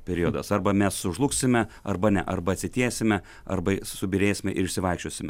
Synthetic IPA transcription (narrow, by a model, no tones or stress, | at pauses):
pʲɛɾʲiod̪ɐsɐrbɐmʲɛsʊʒlˠʊksʲɪmʲɛɐrbɐnʲɛ̰ʔɐrbɐɐt̪ʲsʲɪt̪ʲiɛsʲɪmʲɛ | ɐ̰rbɐsʊbʲɪɾʲeːsʲɪmʲɛʔɪɾɪʃʲsʲɪʋɐɪkʃt͡ʃʲoːsʲɪmʲɛ